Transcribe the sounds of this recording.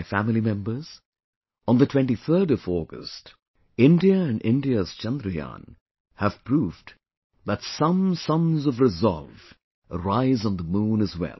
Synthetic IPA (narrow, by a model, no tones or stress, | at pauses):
ɪfæmɪlimɛ̃mbə˞z̥̃ | n̩ðətʰw̥ɛ̃nʈiθʰə˞ɾʌvɔɡə̰st | ɪ̃ndiəɨ̃nɖɪ̰̃nɖiəz̥t͡ʃɛ̃nd̪ɾɨjã̰n | hæv̥pʰɹuv | ðətsʌ̃msʌ̃nzʌvɾɨzɑ̰lˠv | əɾaɪzn̩ðəmũːnɨzwɛ̰lˠ